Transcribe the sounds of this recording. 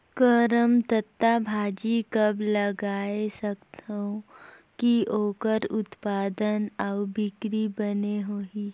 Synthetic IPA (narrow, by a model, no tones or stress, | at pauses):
kəɾəmt̪ət̪ːabʱaːd͡ʒikɐblɐɡaːesəkt̪õ | kioːkəɾʊt̪paːd̪ənɐwbɪkɾibəneɦoːi